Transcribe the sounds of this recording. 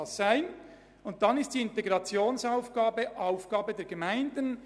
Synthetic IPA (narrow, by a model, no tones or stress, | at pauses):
sz̥æɪn | ʊnt̚d̥ɑnɪstd̥iːɪnteɡʁɑt͡sjoːnsaʊfɡ̥aːbəʔaʊfɡ̥ɑːbədɛːɐɡəmæɪndən